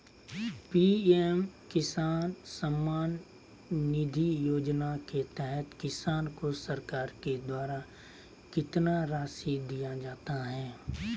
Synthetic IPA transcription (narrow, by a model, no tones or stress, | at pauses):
piːɛmkɪsaːnsəmːaːnː | ɪd̪ʱijoːd͡ʒnaket̪ɛɦɛt̪kɪsaːnkosɐɾkaːɾked̪waːɾa | kɪt̪naɾaːsid̪ijad͡ʒaːt̪aɦɛː